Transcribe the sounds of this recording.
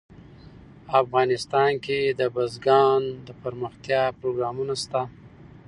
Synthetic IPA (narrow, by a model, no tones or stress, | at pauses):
afɣɑnɪst̪ɑnked̪əbazɡɑnd̪əpəɾməxt̪jɑpɾoɡɾɑmunast̪a